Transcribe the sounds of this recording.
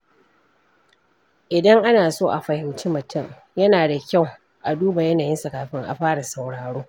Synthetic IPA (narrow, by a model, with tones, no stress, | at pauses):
ʔɪ˨dɐ˦ŋʔa˦naː˨soː˦ʔa˨ɸɐ˨hɪ˨wt͡ʃiː˦mʊ˨tʰʊ˦˨ŋ | jɐ˦naː˨da˨kʲa˦˨w | ʔa˨duː˦ba˨jɐ˦naː˨jɪ˦nsa˨kaː˨ɸɪ˦ŋʔa̰˨ɸaː˦ɽa˨sa˨wɽaː˨ɽoː˦